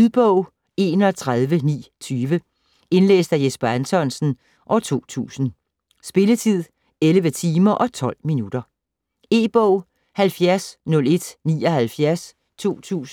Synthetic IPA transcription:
uðˠb̥ɔʊ̰ | e̝̰ːnɒt͡sʰʁað̞ˠʋənḭːt͡sʰyːʋə | e̝nlḛːsd̥æjesb̥ɐænt͡sʰɒ̽nsn̩ | ʔɒʊt͡sʰo̝̰ːt͡sʰṵːsn̩ | sb̥e̝lət͡sʰið̰ˠ | eləʋət͡sʰiːmɐʔɒ̽t͡sʰɒ̽l̰minud̥ɐ | e̝̰ːb̥ɔʊ̰ | hælfjæɐsnɔ̽le̝d̥nḭːɒhælfjæɐs | t͡sʰo̝̰ːt͡sʰṵːsn̩

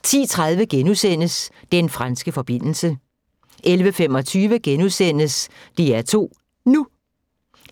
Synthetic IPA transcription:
t͡sʰḭːt͡sʰʁað̞ˠʋəɡ̥enusen̰əs | d̥enfʁansɡ̥əfɒ̽b̥e̝n̰l̩sə | ʔelʋəfemɒ̽t͡sʰyːʋəɡ̥enusen̰əsd̥iæɐt͡sʰo̝̰ː | nu

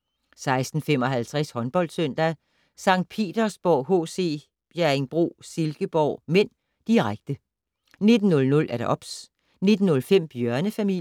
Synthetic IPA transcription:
sɑ̈ɪsd̥n̩fem̰ɒ̽ɦælt͡sʰʁɛshɒ̽nb̥ɒ̽l̰d̥søn̰d̥æ | sɑ̈ŋ̰d̥̚pʰe̝̰ːd̥ɐsb̥ɒɦo̝̰ːse̝̰ː | b̥jæɐeŋb̥ʁo̝̰ːselɡ̥əb̥ɒʊ̰men̰ | d̥iʁaɡ̥d̥ə | ne̝d̥n̩ːɔ̽lnɔ̽læɐɾ̥ɑ̈ʔɒ̽b̥s | ne̝d̥n̩ːɔ̽lfem̰b̥jœɐnəfæmi

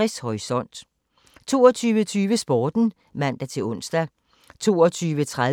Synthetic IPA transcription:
ishɒisɒ̽n̰d̥ | t͡sʰo̝ːɒt͡sʰyːʋət͡sʰyːʋəsb̥ɒːd̥n̩ | mæn̰d̥æt͡sʰe̝ɔ̽n̰sd̥æ | t͡sʰo̝̰ːɒt͡sʰyːʋət͡sʰʁa

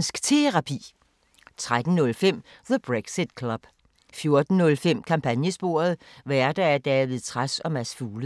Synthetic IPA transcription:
nsɡ̥t͡sʰe̝ʁɑ̈pʰḭː | t͡sʰʁad̥n̩nɔ̽lfem̰ | ðəb̥ʁeɡ̥sid̥kʰlɒ̽b̥ | fjo̝ɐd̥n̩nɔ̽lfem̰kʰɑ̈mpʰænjəsb̥o̝̰ːɐð̞̩ˠʋæɐd̥ææɐd̥ɛːʋiðˠt͡sʰʁasɒ̽mæsfuːl

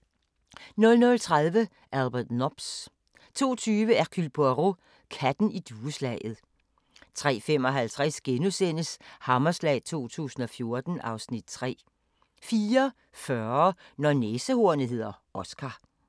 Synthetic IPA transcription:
nɔ̽lnɔ̽lt͡sʰʁɑðˠʋə | ʔælb̥ɛd̥nɒb̥s | t͡sʰo̝̰ːt͡sʰyːʋəækʰylb̥oʁo | kʰæd̥n̩id̥uːəslɛɪð̞̩ˠ | t͡sʰʁɛ̰ːfem̰ɒ̽ɦælt͡sʰʁɛsɡ̥enusen̰əshɑ̈mɐslɛ̰ːɪt͡sʰo̝̰ːt͡sʰṵːsn̩ɒ̽fjo̝ɐd̥n̩ʔɑ̈ʊsnid̥̚t͡sʰʁɛ̰ː | fiːɐ | fɶɐnɒneːsəho̝ɐ̰nəɦe̝ð̰ˠɐɒ̽sɡ̥ʰɑ̈

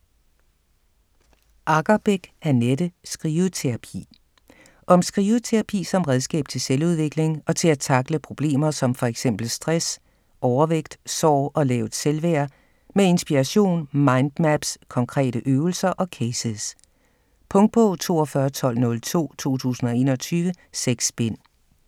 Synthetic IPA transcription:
ʔɑ̈ɡ̥ɐb̥eɡ̥æɐnedəsɡ̥ʁiːʊð̩ˠt͡sʰe̝ʁɑ̈pʰḭː | ʔɒ̽msɡ̥ʁiːʊð̩ˠt͡sʰe̝ʁɑ̈pʰḭːsɒ̽mʁɛð̞ˠsɡ̥ɛ̰ːb̥̚t͡sʰe̝lseluð̞ˠʋe̝ɡ̥le̝ŋɒ̽t͡sʰe̝læt͡sʰɑ̈ɡ̥ləpʰʁo̝b̥le̝̰ːmɐsɒ̽mfɒ̽eɡ̥sem̰b̥l̩sd̥ʁɛs | ʔɒʊɐʋeɡ̥d̥sɒʊ̰ɒ̽lɛːʊð̩ˠselʋɛɐ | mee̝nsb̥iʁɑɕo̝̰ːnmɑ̈ɪnd̥mæb̥skʰɒ̽ŋkʰʁɛ̰ːɾ̥əʔøːʊl̩sɐʔɒ̽kʰeɪsəs | pʰɔ̽ŋd̥̚b̥ɔ̽t͡sʰo̝̰ːɒ̽fɶɐt͡sʰɒ̽l̰nɔ̽lt͡sʰo̝̰ːt͡sʰo̝̰ːt͡sʰṵːsn̩ɒ̽e̝̰ːnɒ̽t͡sʰyːʋə | seɡ̥sb̥en̰

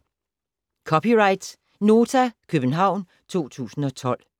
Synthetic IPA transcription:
kʰɒpiʁɑ̈ɪd̥s | no̝ːt͡sʰækʰøb̥n̩ɦɑ̈ʊ̰n | t͡sʰo̝̰ːt͡sʰṵːsn̩ɒ̽t͡sʰɒ̽l̰

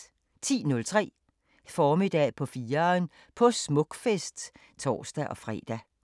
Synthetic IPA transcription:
t͡sʰḭːnɔ̽lt͡sʰʁɛ̰ː | fɒːmid̥ɛ̰pʰɒ̽fiːɐn | pʰɒ̽smɔ̽ɡ̥fesd̥ | t͡sʰɒ̰ːsd̥æʔɒ̽fʁɛ̰ːd̥æ

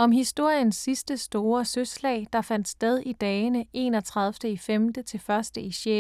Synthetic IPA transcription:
ɒ̽mɦisd̥o̝ɐ̰jənsːisd̥əsd̥o̝ːɐsøslɛ̰ːɪd̥ɑ̈fæn̰d̥sd̥eð̞ˠid̥ɛːnəe̝̰ːnɒt͡sʰʁɑ̈ðˠfd̥əifemd̥ət͡sʰe̝lfɶɐsd̥əiɕe

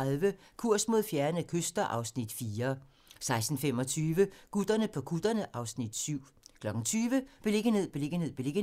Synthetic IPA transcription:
alˠʋəkʰuɐ̰smo̝ðˠfjæɐnəkʰøsd̥ɐʔɑ̈ʊsnid̥fiːɐ | sɑ̈ɪsd̥n̩fem̰ɒ̽t͡sʰyːʋəkud̥ɐnəpʰɒ̽kʰud̥ɐnəʔɑ̈ʊsnid̥syʊ̰ | kʰlɒ̽ɡ̥ŋ̩t͡sʰyːʋəb̥e̝le̝ɡ̥əne̝ð̰ˠb̥e̝le̝ɡ̥əne̝ð̰ˠb̥ele̝ɡ̥ə

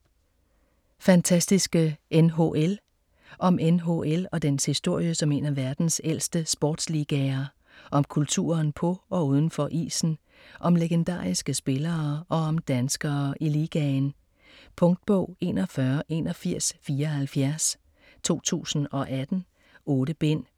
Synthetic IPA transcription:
fænt͡sʰæsd̥isɡ̥əʔenɦo̝ʔel | ʔɒ̽mʔenɦo̝̰elɒ̽d̥enshisd̥o̝ɐ̰jəsɒ̽me̝̰ːnæʋæɐd̥n̩sel̰sd̥əsb̥ɒ̰ːd̥sliːɡ̥ɛɐ | ʔɒ̽mkʰult͡sʰṵːɐnpʰɒ̽ʔɒ̽uːð̞ˠn̩fɒ̽ʔḭːsn̩ | ʔɒ̽mleɡ̥end̥ɑ̰̈ːisɡ̥əsb̥e̝lɐːʔɒ̽ːmd̥ænsɡ̥ɐːʔiliːɡ̥ɛn | pʰɔ̽ŋd̥̚b̥ɔ̰ʊ̰e̝̰nɒfɶɐʔe̝ːnɒ̽fiɐ̰sfiːɐhælfjæɐs | t͡sʰo̝̰ːt͡sʰṵːsn̩ɒ̽ʔæd̥n̩ | ɔːɾəb̥en̰

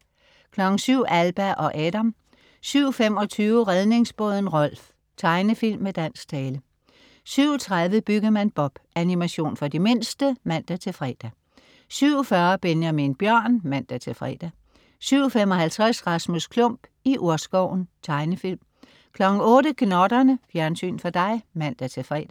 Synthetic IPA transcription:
kʰlɒ̽ɡ̥n̩syʊ̰ʔælb̥æʔɒ̽ʔɛːd̥æm | syʊfem̰ɒ̽t͡sʰyːʊəʁeð̞ˠne̝ŋsb̥ɔ̽ːð̞ˠn̩ʁɒ̽l̰f | t͡sʰɑ̈ɪnəfil̰mːed̥æn̰sɡ̥̚t͡sʰɛːlə | syʊ̰t͡sʰʁaðˠʋəb̥yɡ̥̩ˠmænb̥ɒ̽b̥ʔænimæɕo̝̰ːnfɒ̽d̥ime̝nsd̥əmæn̰d̥æt͡sʰe̝lfʁɛd̥æ | syʊ̰ɒfɶɐb̥enjæminb̥jɶɐ̰nmæn̰d̥æt͡sʰe̝lfʁɛ̰d̥æ | syʊ̰femɒ̽hælt͡sʰʁasʁɑ̈smoskʰlɔ̽m̰b̥iʔuɐsɡ̥ɒʊ̰n̩t͡sʰɑ̈ɪnəfil̰m | kʰlɒ̽ɡ̥ŋ̩ɔ̽ːɾəɡ̥nɒd̥ɐnəfjæɐnsy̰ːnfɒ̽d̥ɑ̈ɪmæn̰d̥æt͡sʰe̝lfʁɛ̰ːd̥æ

